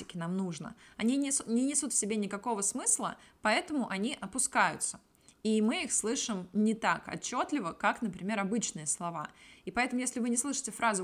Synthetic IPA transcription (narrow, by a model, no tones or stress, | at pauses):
ɪkʲɪnamnuʐnə̰ɐnʲinʲnʲɪnʲɪsut̪fsʲɪbʲenʲɪkɐko̞vəsmɨslˠəpɐɛt̪əmʊʔɐnʲiʔɐpʊskajʊ̰t̪sə̥ | imɨixslˠɨʂɨmnʲɪt̪akɐ̰t͡ɕːot̪lʲɪvəkaknəpɾʲɪmʲe̞ɾɐbɨt͡ɕnɨjəslˠɐva̰ipɐɛt̪əmʊjesʲlʲɪvɨnʲɪslˠɨʂɨ̥tʲɪfɾʔazʊ